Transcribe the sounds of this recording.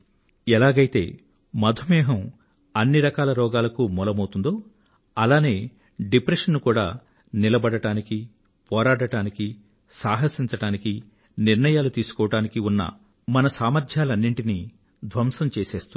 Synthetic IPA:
ɛlaːɡɐjit̪e̞̰ː | mɐd̪ʱumɛːɦɐm | ɐnːiɾɐkaːlɐɾɔːɡaːlɐkumɔlɐmɐwt̪und̪o̞ː | ɐlaːne̞ː | ɖipɾeʂɐnːukuːɽa̰ː | nilɐbɐɽɐʈaːniki | pɔːɾaːɽɐʈaːniki | saːɦɐsiɲt͡ʃɐɽaːniki | niɾɳɐjaːlut̪iːsu̥kɔːʋɐʈaːnikiunːɐ̰ | mɐnɐsaːmɐɾd̪ʰʱjaːlɐnːiɳʈini | d̪ʱʋɐmsɐmt͡ʃeːseːst̪u

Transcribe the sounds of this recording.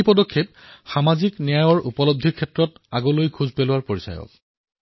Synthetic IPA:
pɔdɔkʰːep̚xamaziknɛjajɔɹupɔlob̚d̪ʱikʰɛtɹɔt | aɡɔlojkʰuzpelʊaɹpoɹisa̰jɔ̰k̚

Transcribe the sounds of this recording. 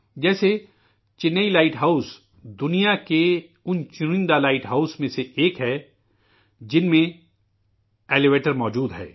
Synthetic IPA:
d͡ʒɛːse | t͡ʃɪnːəilaːɪʈɦaːʊs | d̪ʊnijakeʊnt͡ʃʊɾɪ̃nd̪alaːɪʈɦaːʊsmẽseeːkɦɛː | d͡ʒɪnmẽ | eːleʋeːʈəɾmɔːd͡ʒuːd̪ɦɛ̰ː

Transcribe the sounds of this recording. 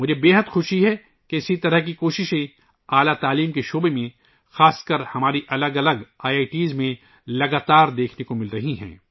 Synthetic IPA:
mʊd͡ʒʱebeːɦəd̪xʊʃiɦɛ | keɪsit̪ɐɾəɦkikoːʃɪʃẽ | aːlat̪aːliːmkeʃoːbemẽ | xaːskəɾhɐmaːɾiʔɐləɡɐləɡaːaːiʈiːzmẽ | lɐɡaːt̪aːɾd̪eːkʰnekomɪlɾɐɦiɦɛ̰̃ː

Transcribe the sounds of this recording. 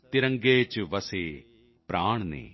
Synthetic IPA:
t̪ɪɾə̃ŋɡeːt͡ʃʋɐseː | pɾaːɳ̃nḛː

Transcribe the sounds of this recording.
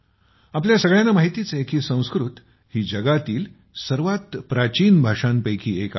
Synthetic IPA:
apljasəɡɭjãnːamaɦit̪it͡sekiːsə̃w̃skɾut̪ | hiːd͡ʑəɡat̪iːl | səɾʋat̪pɾat͡ɕiːnbʱaʂanpəjkʰiːeka

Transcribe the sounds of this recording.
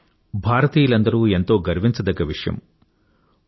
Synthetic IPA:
bʱaːɾɐt̪iːjɐlɐnd̪ɐɾuːent̪o̞ːɡɐɾʋint͡ʃɐd̪ɐɡɐʋiʂɐjɐ̰m

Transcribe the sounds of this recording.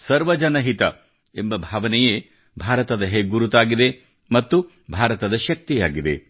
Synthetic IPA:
sɐɾʋɐd͡ʒɐnɐɦit̪ɐ | embɐbʱaːʋɐnɛjeː | bʱaːɾɐt̪ɐd̪ɐɦeɡuɾut̪aːɡid̪e̞ | mɐt̪ːu | bʱaːɾɐt̪ɐd̪ɐʃɐk̚t̪ijaːɡid̪e̞̰

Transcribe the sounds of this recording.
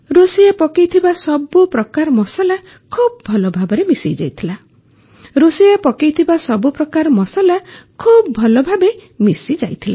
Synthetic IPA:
ɾosijapɔkejt̪ʰibasɔbupɾɔkaɾmɔsala | kʰub̚bʱɔlɔbʱabɔɾemisḭjd͡ʒa̰jt̪ʰila | ɾosiapɔkejt̪ʰibasɔbupɾɔkaɾmɔsalakʰubbʱɔlɔbʱabemisid͡ʒajt̪ʰila

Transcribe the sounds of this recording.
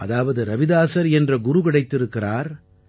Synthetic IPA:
ʔɐðaːʋɐðɯɾɐʋɪðaːsɐɾɛndrɐɡʊɾʊkɪɽɐɪt̪ːɪɾɯkːɪraːɾ

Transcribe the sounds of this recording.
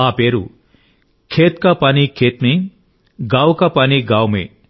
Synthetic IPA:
apeɾṵ | kʰeːt̪kapaːnikʰeːt̪me | ɡawkapaːniɡawmḛ

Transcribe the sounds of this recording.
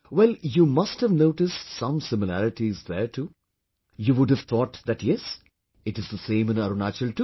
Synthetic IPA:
wɛljuːmʌsʈhəvnoʊʈɪsʈsʌ̃msɪmɪlæɾɪʈizðəɾʈʰu | juːʋʊɖəv̥t̪ʰɔːʈðæʈjɛs | ɨʈɨzðəsẽɪ̃mɨ̃naɾonat͡ʃəlʈu

